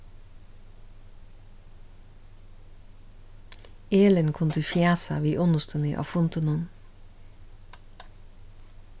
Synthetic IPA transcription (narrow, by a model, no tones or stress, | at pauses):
eːlənkʰʊnd̪ʉfjæːsɑ̰ʋiːʔʊnəst̪ʰʉnḭʔɑ̰fʊnt̪ənʊn